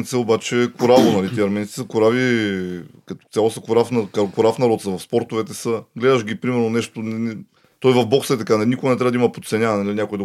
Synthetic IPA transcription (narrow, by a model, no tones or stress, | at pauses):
nt̪sɛobat͡ʃɛkoɾavonɐlit̪iɛɐɾmɛnt̪i̥səkoɾavi | kɐt̪ɔ̥t̪sʲjalˠosəkoɾafnɐkkoɾafnɐɾɔt̪səvɐfspɔɾt̪ovɛt̪ɛsəɡlɛd̪əʃɡʲipɾimɛɾnonɛʃt̪onɛnɛ | t̪ɔjvɐfbɔxsɐɛt̪ɐkannikoɡanɛt̪ɾavd̪imɐpo̥t̪sɛnʲanɐliinʲakojd̪ɐ